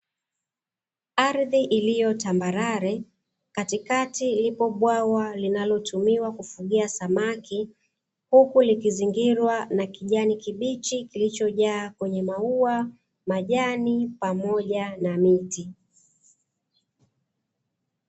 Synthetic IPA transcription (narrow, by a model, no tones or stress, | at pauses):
aɾðiʔilijɔtambaɾaɾɛ | katikatilipɔɓwawalinalɔtumiwakufuɠiasamaki | hukulikiziŋɡiɾwanakiʄanikiɓit͡ʃikilit͡ʃɔʄaːkwɛɲɛmaua | maʄanipamɔʄanamiti